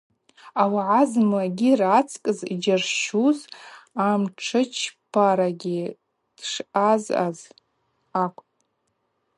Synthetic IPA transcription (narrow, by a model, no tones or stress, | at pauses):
awaʕazmaɡʲirat͡sʰkʼɨzd͡ʒarʃuzamʈ͡ʂʰɨt͡ʃʰpʰaɾaɡʲi | d̥ʂaza̰z | akʷʼ